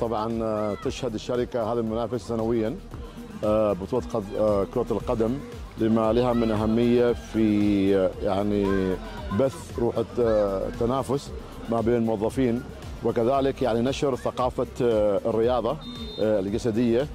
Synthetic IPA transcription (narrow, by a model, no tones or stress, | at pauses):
t̪ˤɑbʕɑnt̪ɪʃhad̪ɪʃːaɾɪkahaːðilmʊnaːfɪsːanawɪjːa | bɨt̪ˤuːlqkʊɾɑtlqad̪am | lɪmalɪhamɪnʔaɦamːɪjːafi | jaʕni | baθ | ɾˤuːħ | t̪ːanaːfʊs | mabeːnɪlmʊwɑðˤːɑfiːn | wɪkaðaːlɪkjaʕninaʃɪɾθaqɑːfarːɪjɑːðˤɑ | ld͡ʒasad̪ɪjːa